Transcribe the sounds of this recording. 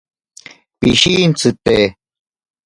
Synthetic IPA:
piʃiːnt͡sʰɨt̪eː

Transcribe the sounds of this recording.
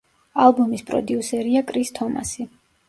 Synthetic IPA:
alˠbumispʼɾɔ̰d̪iusɛɾiakʼɾist̪ʰɔma̰si

